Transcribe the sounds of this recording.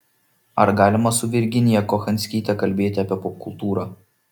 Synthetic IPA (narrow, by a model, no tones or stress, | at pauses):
ɐɾɡɑːlʲɪmɐsʊʋʲɪɾʲɡʲɪnʲɪjɛkɔxɐnʲsʲkʲiːt̪ʲɛkɐlʲbʲeːt̪ʲɪɐːpʲiɛpɔp̚kʊlˠt̪uːɾɑː